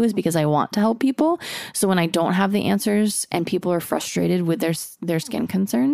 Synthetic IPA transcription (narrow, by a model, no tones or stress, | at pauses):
ɨzbɨkʌzaɪwɑ̰̃ntʰɨɦɛlˠpʰːipl̩ˠsoʊwə̃ñaɪdõʊ̃nt̚ɦəvðiʔæ̰̃nsə˞zʔɨ̰̃npʰipl̩ˠə˞fɹʌ̰stɹ̥eɪɾɨd̚wɨðə˞sðə˞skɪ̰̃nkʰɨ̃nsɜ̃˞n